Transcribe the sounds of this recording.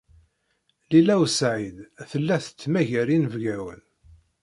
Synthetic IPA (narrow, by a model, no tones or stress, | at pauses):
lilæwsʕid̪θəlːæθə̥t͡sːmæʝæɾinəvɡæwə̰n